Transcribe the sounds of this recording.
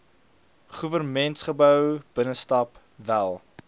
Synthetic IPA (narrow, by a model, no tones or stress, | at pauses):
χuvərmɛntsχəbœwb̥ənəstɐp | vælˠ